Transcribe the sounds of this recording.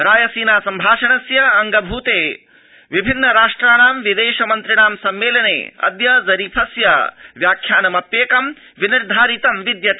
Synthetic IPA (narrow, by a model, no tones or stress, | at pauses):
ɾaːjɐsiːnaːsɐmbʱaːʃɐɳɐsjɐɐŋɡɐbʱuːt̪eː | ʋibʱinːɐɾaːʂʈɾaːnaːmʋid̪eːʃɐmɐnt̪ɾiɳaːmsɐmːeːlɐnḛːɐ̰d̪jɐzɐɾiːpʰɐsjɐʋjaːkʰːjaːnɐmɐpjeːkɐm | ʋiniɾd̪ʱaːɾit̪ɐmʋid̪jɐt̪i